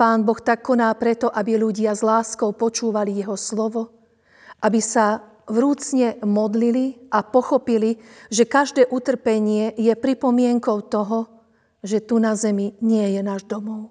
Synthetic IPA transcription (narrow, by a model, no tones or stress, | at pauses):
paːnbɔxt̪akːɔnaːpɾɛt̪ɔʔabiluɟɪazlaːskɔʊpɔt͡ʃuːʋalijɛɦɔslɔʋɔ | ʔabisa | ʋɾuːt͡sɲɛmɔd̪liliʔapɔxɔpiliʒɛkaʒd̪ɛːʔut̪r̩pɛɲɪɛjɛpɾipɔmɪɛŋkɔʊt̪ɔɦɔ | ʒɛt̪unazɛmiɲɪɛjɛnaːʒd̪ɔmɔʊ